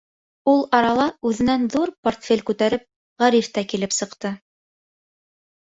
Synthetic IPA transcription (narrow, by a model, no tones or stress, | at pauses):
ulˠɑɾɑlˠɑʉðɘ̆nænðuɾport̪fʲelʲkʉt̪æɾɘp̚ | ʁæɾift̪ækilɘpsɤ̆qt̪ɤ